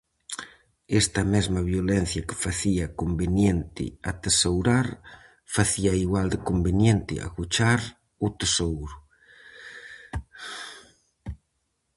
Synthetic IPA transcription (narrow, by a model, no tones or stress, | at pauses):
ɛst̪ɐmɛzmɐβjolɛn̟θjɐke̥faθiɐkombenjent̪ɪ̰at̪esowɾaɾ | faθiɐiɣwald̪ɪkombenjent̪ɪ̰a̰kut͡ʃaɾ | ʊt̪esowɾʊ